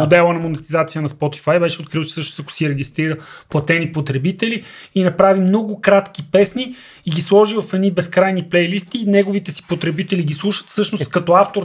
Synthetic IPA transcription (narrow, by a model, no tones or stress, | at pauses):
od̪ɛlˠənɐmonɛt̪izat̪sijənɐspɔt̪i̥fajbɛʃɛot̪kɾilˠt͡ʃɛ̥sɤʃnosɐkʊ̥siɾɛɡʲist̪ɾiɾəplˠɐt̪ɛnipot̪ɾɛbit̪ɛliinɐpɾavimnɔɡʊkɾat̪k̟ipɛsni | iɡʲislˠɔʒivɐfɛd̪nibɛskɾajniplɛjlist̪inɛɡovit̪ɛsi̥pot̪ɾɛbit̪ɛliɡislˠuʃə̥t̪fsɤʃnost̪kɐt̪ɔaft̪oɾ